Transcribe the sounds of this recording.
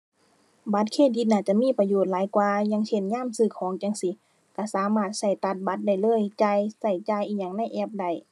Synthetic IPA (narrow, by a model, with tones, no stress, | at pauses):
ba˧˦t̪̚kʰeː˧˩t̪̚di˧˦t̪̚naː˧˩t͡ɕa˧˩ʔmiː˧˥˨pa˧joː˧˩t̪̚laː˨˦jkwaː˧ɲa˧˥˨ŋt͡ɕʰe˧˩nɲaː˧˥˨msɯː˧˩kʰɔː˨˦ŋt͡ɕa˧ŋsi˧˦ | ka˧˩saː˨˦maː˧˥˩t̪̚sa˧˩jt̪a˧˦t̪̚ba˧˦t̪̚da˧˩jlɤː˧˥˨jt͡ɕa˧jsa˧˩jt͡ɕaː˧˨jʔiː˧˩ɲa˧˨ŋna˧˥˩jʔɛː˧˥˩p̚da˧˥˩j